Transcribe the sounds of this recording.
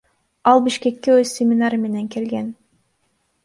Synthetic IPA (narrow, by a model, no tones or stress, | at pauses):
ɑlˠbiʃke̞kːeøzʲsʲemʲɪnaɾme̞neŋke̞lɡen